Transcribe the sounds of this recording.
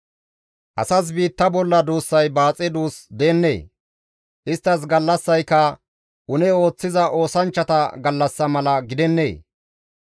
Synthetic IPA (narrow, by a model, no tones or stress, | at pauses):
ʔɐsɐs̬biːt̪ːɐbɔlːɐd̪uːsːɐjbaːt͡sʼɪd̪uːsd̪eːnːḛː | ʔɪst̪ːɐs̬ɡɐlːɐsːɐjkːɐ | ʔʊnɛo̞ːt͡sːɪzɐʔo̞ːsɐnt͡ʃːɐt̪ɐɡɐlːɐsːɐmɐlɐɡɪd̪ɛnːḛː